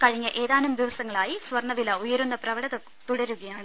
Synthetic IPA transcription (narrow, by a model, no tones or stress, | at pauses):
kɐɻiɲːɐʔe̞ːðaːnumd̪iʋɐsɐŋːɐɭaːjisʋɐrɳɐʋilɐujɐɾunːɐprɐʋɐɽɐðɐ | t̪uɽɐɾuɣɐjaːɳɨ